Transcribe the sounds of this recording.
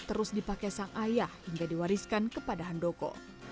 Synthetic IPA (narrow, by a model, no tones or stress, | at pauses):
t̪əɾʊsdipakajsaŋʔajahhiŋɡadiwaɾiskankəpadaɦandokɔ̰